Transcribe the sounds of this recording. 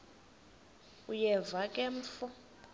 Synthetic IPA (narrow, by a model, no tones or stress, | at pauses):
ujɛvakʼɛm̩fʊ